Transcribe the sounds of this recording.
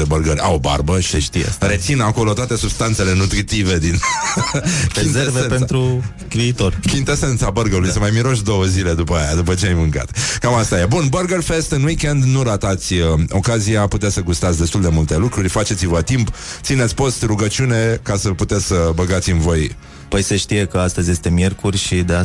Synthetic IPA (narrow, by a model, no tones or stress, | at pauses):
ebəɾɡərʲa̰oba̰rbəiʃt̪iḛɾe̞t̪sinako̞lo̞t̪oat̪e̞subst̪ant̪se̞le̞nut̪ɾit̪ive̞d̪in | keinzevepent̪ɾu | kɾiːt̪orkint̪ese̞nt̪sabəɾɡəlujsemajmiɾo̞ʃd̪o̞wəzile̞d̪upəajad̪upət͡ʃe̞ajmɨŋka̰t̪kamast̪ajebunbəɾɡərfe̞st̪ɨnwike̞nd̪nuɾat̪at̪sʲəo̞kaziaput̪easəɡust̪at̪sʲd̪est̪uld̪e̞mult̪e̞lukɾurʲfat͡ʃe̞t̪sivət̪impt̪sinet̪sʲpo̞st̪ruɡət͡ʃune̞kasəput̪et̪sʲsəbəɡat̪sʲɨnvo̞j | pəjseʃt̪ije̞kəast̪əzʲje̞st̪e̞mje̞rkurʲʃid̪ea